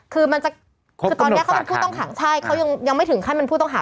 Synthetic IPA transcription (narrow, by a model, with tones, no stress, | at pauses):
kʰɯː˧ma˧nt͡ɕa˨˩ | ɯ˧ɔː˧n˦˥kʰpe˧npʰuː˥˩t̪ɔ˥˩ŋkʰaː˩˦ŋt͡ɕʰa˥˩jkʰa˦˥wja˧ŋja˧ŋma˥˩jt̪ʰɯ˩˦ŋkʰa˥˩jma˧npʰuː˥˩t̪ɔ˥˩ŋɦaː˩˦